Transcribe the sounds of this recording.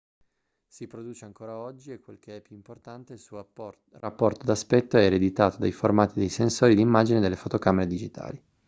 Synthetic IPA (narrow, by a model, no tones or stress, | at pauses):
sipɾod̪uːt͡ʃeaŋkoːɾaɔd͡ʒːiekːwḛlkʰeɛpːjuimport̪ant̪eilsuo | rapːɔrt̪od̪aspɛt̪ːoɛeɾed̪it̪aːt̪od̪ajformaːt̪id̪ejsensoːɾid̪imːaːd͡ʒined̪elːefot̪okameɾed̪id͡ʒit̪ʰa̰ːli